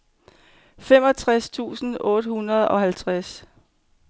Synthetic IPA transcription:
femɒ̽t͡sʰʁast͡sʰṵːsn̩ɔ̽ːd̥əhunɐð̞ˠɒ̽hælt͡sʰʁas

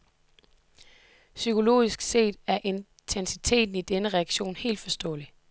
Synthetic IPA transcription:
sykʰo̝lo̝̰ːisɡ̥se̝̰ːd̥æɐʔe̝n | t͡sʰensit͡sʰe̝̰ːd̥n̩id̥enəʁɛɑɡ̥ɕo̝̰ːnhe̝̰ːld̥fɒ̽sd̥ɔ̰̽ːli

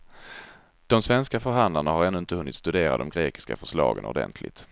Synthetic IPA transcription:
d̪̥ɔmsvɛnskafœɾɦand̪laɳahaɾɛnːɵɪnt̪əhɵnːɪt̪st̪ɵd̪eːɾad̪ɔmɡɾeːkɪ̥ska̰fœʂɭɑːɡənɔ̰dɛ̰nt̪ʰlɪ̰t̪

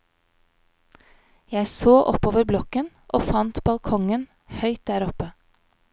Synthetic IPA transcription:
jæɪsoːʔɔpoːʋəɾblɔkən | ʔoːfɑnt̪bɑlkʰɔŋən | hœʏt̪̚d̪æːɾɔpə

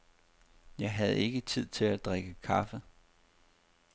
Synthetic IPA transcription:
jɑ̈ɪɦæð̞ˠe̝ɡ̥ət͡sʰið̞̰ˠt͡sʰe̝læd̥ʁeɡ̥əkʰɑfə

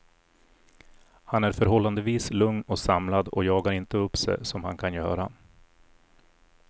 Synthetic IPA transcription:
hanæɾfœɾɦɔlːand̪əviːslɵŋnɔsamlad̪ɔ̰jɑːɡaɾɪnt̪əɵpːsɛ̰sɔmha̰nkʰanjœ̰ːɾa

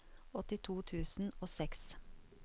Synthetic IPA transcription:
ɔt̪ɪt̪ʰuːt̪ʰʉːsn̩oːsɛks

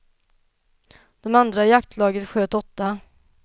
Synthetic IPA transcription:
d̪̥ɔmand̪ɾajakt̪ʰlɑːɡət̪ɧøːt̪ɔt̪ːa

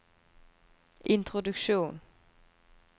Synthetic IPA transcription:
ʔɪnt̪ʰʁʊd̪ʉkʃuːn

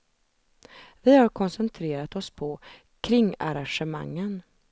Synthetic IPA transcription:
vɪhaɾkʰɔnsɛnt̪ʰɾeːɾat̪ɔspʰɔ | kʰɾɪŋːaɾanʂɛma̰ŋːən

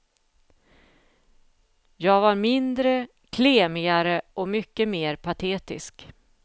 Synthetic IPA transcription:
jɑːɡvaɾmɪnd̪ɾə | kʰleːmɪɡaɾəʔɔmʏkːəmeːɾpʰat̪ʰeːt̪ɪ̰sk

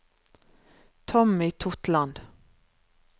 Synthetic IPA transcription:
t̪ʰɔmiːt̪ʰʊt̪land̪̥

